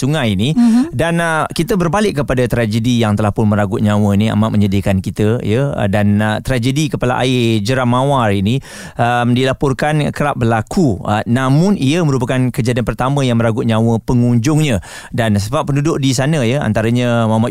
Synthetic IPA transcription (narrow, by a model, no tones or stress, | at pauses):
suŋajinidankit̪əbərbalɪkːəpadat̪ɾad͡ʒədijaŋt̪əlahpʊnməɾaɡʊt̪̚ɲãwəinia̰maʔməɲədikankit̪əjə̰dant̪ɾad͡ʒədikəpala̰ʔa̰ɪd͡ʒəɾahmãwarini | əmdilapɔrkankəɾaʔ̚bəlakunamʊ̃niəmə̃ɾup̬akankəd͡ʒadianpərt̪amə̃jaŋməɾaɡʊt̪̚ɲãwəpəŋuɲd͡ʒʊŋɲə̃ | dansəbap̚ːəndudʊʔdisanəjəa̰nt̪aɾaɲəmama